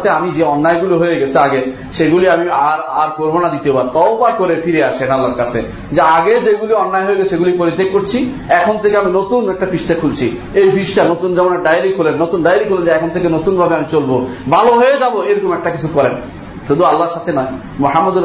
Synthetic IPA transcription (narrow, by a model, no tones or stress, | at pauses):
t̪ʰeamid͡ʑeɔnːaeɡuliɦojeɡɛt͡ɕʰeaɡe | ʃeɡuliamiaɾaɾkoɾbonad̪it̪eobaɾt̪ɔwbakoɾefiɾeaʃeʈalːaɾkat͡ɕʰḛ | d͡ʑeaɡed͡ʑeɡuliɔnːaeɦoeɡɛt͡ɕʰeʃeɡulipoɾit̪ːekkoɾt͡ɕʰi | ɛkʰont̪ʰekeaminot̪unɛk̚ʈafisʈakʰult͡ɕʰi | ejpiʃʈanot̪und͡ʑɛmonaɖajɾikɦolenːot̪unɖajɾikɦolend͡ʑeɛkʰont̪ʰekenot̪unbʱabeamit͡ɕolbobʱaloɦoed͡ʑaboejɾɔkomɛk̚ʈakit͡ɕʰukɔɾen | ʃud̪ʱualːaɾʃat̪ʰenɔe | moɦamːɔd̪uɾ